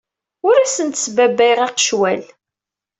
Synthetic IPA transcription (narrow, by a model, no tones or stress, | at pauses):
ʊɾæsənt̪ə̥sbæbːæjʁæqə̥ʃwæl